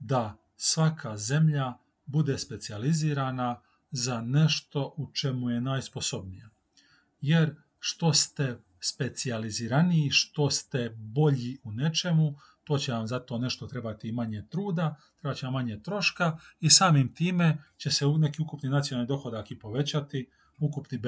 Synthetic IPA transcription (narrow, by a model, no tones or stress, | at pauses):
d̪a | sʋakʰaze̞mʎa | bud̪e̞spe̞t̪sializiːɾana | zane̞ʃt̪o̞ʔut͡ʃe̞muje̞naːjsposo̞bnija | jeɾ | ʃt̪o̞st̪e̞ | spe̞t̪sializiɾanijːʃt̪o̞st̪e̞bo̞ʎiune̞t͡ʃe̞mu | t̪o̞ːt͡ɕeʋamzat̪o̞ne̞ʃt̪o̞t̪ɾe̞bat̪imaɲet̪ɾuːd̪at̪ɾe̞bat͡ɕeamːaɲet̪ɾo̞ʃkaisaːmimt̪iːme̞t͡ɕe̞seune̞kiukupninat̪sionanid̪o̞xo̞d̪akipo̞ʋe̞t͡ɕat̪i | ukupni